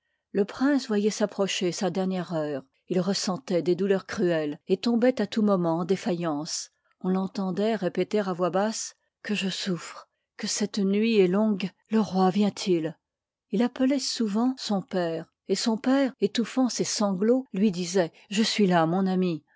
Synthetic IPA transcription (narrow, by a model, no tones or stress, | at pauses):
ləpχɛ̃svwajɛsapχɔʃesad̪ɛʁnjɛʁœːʁ | ilʁəsɑ̃t̪ɛd̪ed̪ulœʁkχyɛlet̪ɔ̃bɛt̪at̪umɔmɑ̃ːd̪efajɑ̃s | ɔ̃lɑ̃t̪ɑ̃d̪ɛʁepet̪eʁavwabas | kəʒəsufχ | kəsɛt̪nɥiɛlɔ̃ɡ | ləʁwavjɛ̃t̪ʰil | ilapəlɛsuvɑ̃sɔ̃pɛːʁ | esɔ̃pɛːʁet̪ufɑ̃sesɑ̃ɡlolɥid̪izɛ | ʒəsɥilamɔ̃nami